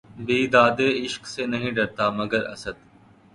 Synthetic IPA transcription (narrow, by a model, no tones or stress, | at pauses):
biːd̪aːd̪eːɪʃksenɐɦĩːɖɐɾt̪aːmɐɡəɾɐ̰səd̪